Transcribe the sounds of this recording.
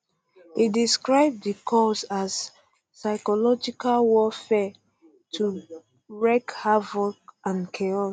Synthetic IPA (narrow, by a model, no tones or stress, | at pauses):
idiskɹaɪb̚dikʰɔsaz | saɪkɔlɔd͡ʒikalwɔfɛ | tʰu | ɹɛkhavɔkãnkʰeɔ